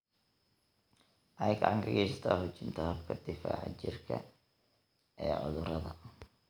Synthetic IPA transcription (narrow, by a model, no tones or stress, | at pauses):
ʔɐjɡɐʕɑŋɡʰɐɣɛsɐ̥t̪ʰaːhʊt͡ʃɪnt̪ʰɐhɐbkʰɐd̪̥ɪfaːʕɑ̰t͡ʃɪrkʰɐ̰ | ʔɛːʕʊ̰ðʊɾɐðɐ